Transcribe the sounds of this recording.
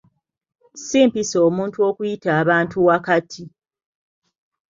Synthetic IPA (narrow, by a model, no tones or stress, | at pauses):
siːmpisoːmuːntuo̞kujitaːβaːntuwakatʰi